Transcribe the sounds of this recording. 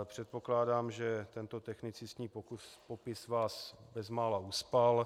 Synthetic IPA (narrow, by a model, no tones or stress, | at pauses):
pr̥ɛt̪̚po̞klaːdaːmʒɛt̪ɛnt̪ot̪ɛxnɪt͡sɪsɲiːpokspopɪsvaːsbɛzmaːlaʔuspal